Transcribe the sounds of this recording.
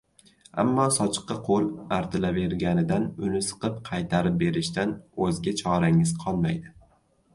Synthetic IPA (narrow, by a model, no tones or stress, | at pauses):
a̰mːɒsɒt͡ʃʰɨ̥qːɑqʰolˠaɾt̪ʰɪlave̞ɾɡʲanɪd̪anʊnɪsɨ̥qɨp̚qʰɑjt̪ʰaɾɪp̚be̞ɾɪʃt̪anɵzɡʲat͡ʃʰɒɾaŋɪz̥qʰɒlˠmajd̪ɪ